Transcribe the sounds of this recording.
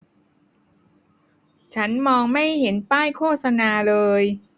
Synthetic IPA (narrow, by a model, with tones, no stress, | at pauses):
t͡ɕʰa˦˥nmɔː˧ŋma˥˩jhe˩˦npaː˥˩jkʰoː˥˩t̪̚sa˧naː˧lɤː˧j